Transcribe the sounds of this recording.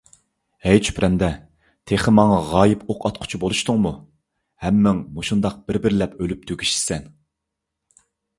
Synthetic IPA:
ɛjt͡ʃʰy̥pɾʔɛnd̪ɛ | t̪ʰeχɪmɑŋɑʁɑːjɪpʰoqʰɑt̪̚qʰʊ̥t͡ʃʰubolˠuʃt̪ʊŋmu | hɛmːɪŋmoʃund̪ɑq̚b̥ɪɾbɪɾlɛpølyp̚t̪ʰøɡʲi̥ʃsɛn

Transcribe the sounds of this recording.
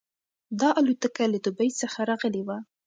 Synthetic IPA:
d̪ɑʔalut̪əkalad̪ʊbajsəxaɾɑɣəlewa

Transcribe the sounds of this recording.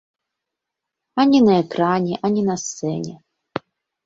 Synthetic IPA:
anʲinɐɛkɾanʲɛʔanʲinɐst̪sɛ̰nʲɛ̰

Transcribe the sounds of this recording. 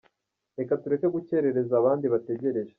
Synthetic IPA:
e̞katuɾe̞ke̞ɡuce̞ɾe̞ɾe̞zaːβaːndiβate̞ɟe̞ɾe̞ʒe

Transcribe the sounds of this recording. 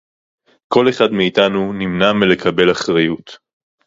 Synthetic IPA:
ko̞le̞χadmiːtanunimnamele̞kʰɐbe̞laχʁajut

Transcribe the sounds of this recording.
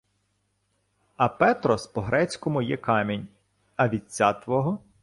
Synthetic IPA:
ɐpɛt̪ɾɔspɔɦɾɛt͡sʲkɔmʊjɛkɑmʲinʲ | ɐʋʲit͡sʲːat̪ʋɔɦɔ

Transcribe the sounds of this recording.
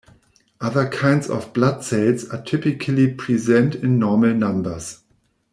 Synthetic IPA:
ʔaðə˞kʰãɪ̃ndzɔ̰vblad̥seɪlˠzatʰɪpɪkʰəlipʰɹ̥izɛ̃ntɪ̃nːɔɹməl̩ˠnãmbə˞z̥

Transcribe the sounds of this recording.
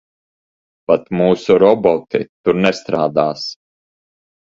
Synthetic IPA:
pat̪muːsuɾɔbɔt̪ḭt̪uɾnɛst̪ɾaːd̪aːs

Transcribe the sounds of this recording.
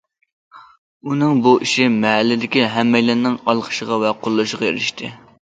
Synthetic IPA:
unɨŋbuʔiʃɪmɛɦælːɪd̪ɪkʲiɦɛmːɛjlɪnɪŋɑlˠqʰə̥ʃəʁɑvɛqʰolˠːuʃəʁɑjḛɾɪʃt̪ʰɨ̰

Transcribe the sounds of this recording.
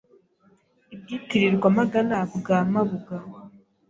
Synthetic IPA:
ib̚jikiɾiɾɡwamaɡanaβuɡaːmaβuɡa

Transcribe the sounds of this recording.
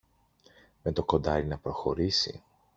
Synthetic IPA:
met̪o̞ko̞nd̪ɐɾinɐpɾo̞xo̞ɾisḭ

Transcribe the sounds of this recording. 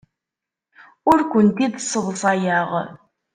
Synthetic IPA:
ʊɾkʷənt̪iðsːəðsˤɑjəʁ

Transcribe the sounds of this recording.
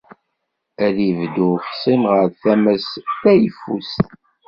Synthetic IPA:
æɾivd̪ufsˤimʁəɾθæmæsθæjfːṵst̪

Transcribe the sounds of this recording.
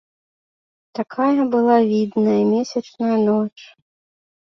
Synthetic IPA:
t̪akʰajɐbɨlˠavʲid̪nɐjɐmʲɛsʲɐt͡ʂnɐjɐnɔt͡ʂ

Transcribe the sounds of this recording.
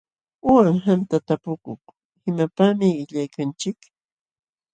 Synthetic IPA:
ʊwaŋɦamt̪at̪apʊkʊχ | ɪmapamɪɪʎajkant͡ʃɪk

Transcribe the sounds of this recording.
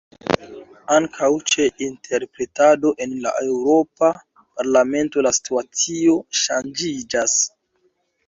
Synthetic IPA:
aŋkʰawt͡ʃe̞ʔintʰe̞ɾpɾe̞tado̞ʔe̞nla̰ʔewɾo̞pa | paɾlame̞nto̞lasi̥tuat͡sio̞ʃand͡ʒid͡ʒas

